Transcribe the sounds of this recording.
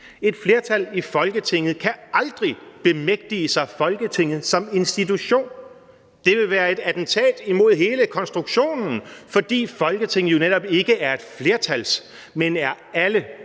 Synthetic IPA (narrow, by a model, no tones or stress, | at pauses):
e̝d̥fle̝ːɐt͡sʰælifɒ̽lɡ̥ət͡sʰe̝ŋ̰ð̩ˠkʰæɑ̈ld̥ʁib̥e̝meɡ̥̚d̥iəsɑ̈ɪfɒ̽lɡ̥ət͡sʰe̝ŋ̰ð̞̩ˠsɒ̽me̝nsd̥it͡sʰuɕo̝̰ːn | d̥e̝ʋe̝ʋæːɐe̝d̥æd̥n̩t͡sʰɛ̰ːd̥imo̝ð̞̰ˠɦe̝ːləkʰɒ̽nsd̥ʁuɡ̥ɕo̝̰ːnn̩fɒ̽d̥ḭːfɒ̽lɡ̥ət͡sʰe̝ŋ̰ð̩joned̥ɒ̽b̥e̝ɡ̥əʔæɐe̝d̥fle̝ɐt͡sʰæls | menæɐ | ælə